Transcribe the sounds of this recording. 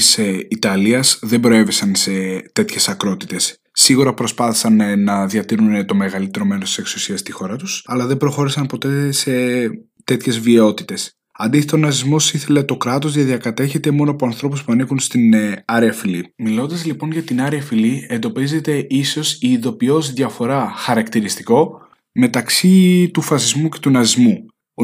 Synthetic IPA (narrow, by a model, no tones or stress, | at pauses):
iseit̪ɐliɐsðe̞mbɾo̞e̞vesɐnse̞t̪e̞t̪çe̞sɐkɾo̞t̪i̥t̪e̞sː | iɣuɾɐpɾo̞spɐθi̥sɐnnɐðɐt̪iɾunet̪o̞me̞ɣɐlit̪e̞ɾo̞me̞nost̪ise̞ksu̥siɐst̪ixo̞ɾɐt̪u̥sɐlɐðe̞bɾo̞xo̞ɾisɐnpo̞t̪e̞se̞ | t̪e̞t̪çe̞zvio̞t̪it̪e̞s | ɐnd̪iθet̪onɐzizmo̞siθe̞le̞t̪o̞kɾɐt̪o̞zðɐðiɐkɐt̪e̞çe̞t̪e̞mo̞noɐpoɐnθɾo̞puspuɐnikunst̪inɐɾeɐfilimilo̞nd̪ɐzlipo̞nʝɐt̪inɐɾeɐfilie̞nd̪o̞pize̞t̪e̞ʔiso̞siːðo̞pio̞zðʝɐfo̞ɾɐxɐɾɐkt̪iɾist̪iko̞ | me̞t̪ɐksit̪ufɐsizmuce̞̥t̪unɐzizmu